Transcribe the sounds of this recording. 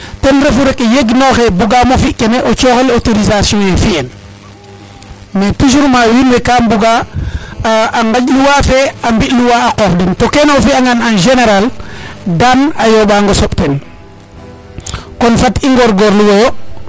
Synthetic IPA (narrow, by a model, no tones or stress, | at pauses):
tenɾefuɾekjeɡnoxebuɡamofiʔkeneʔot͡ʃoxelotoɾizasjɔ̃jefien | metuʃ̬uɾmawinwekambuɡa | ŋɡaɟluwafeambiʔluwaːkofdɛntokenofiaŋananʒeneɾaldanajoɓaŋɡosoɓten | konfatiŋɡoɾɡoɾluwo